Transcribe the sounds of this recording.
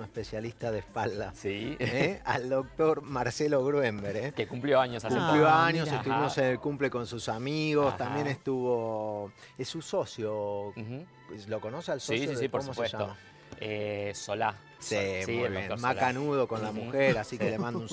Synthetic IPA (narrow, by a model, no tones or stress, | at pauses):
nehpesjalist̪aðespald̪asieald̪o̞k̚t̪oɾmaɾselo̞ɣɾwembeɾekekumpljoaɲoskumpljoaɲoset̪uβimosenelkumple̞ko̞nsusamiɣo̞st̪ambjenest̪uβo | esuso̞sjo | loko̞nosealsosjoðeipoosmoseeʃama | esola | simiuβjenmakanuð̞o̞ko̞nlamuxeɾasikelemãnd̪un